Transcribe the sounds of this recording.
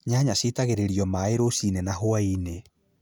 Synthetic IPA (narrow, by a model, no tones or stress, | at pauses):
ɲaɲaɕitaɣeɾeɾiɔmaeɾosinenaɦoaine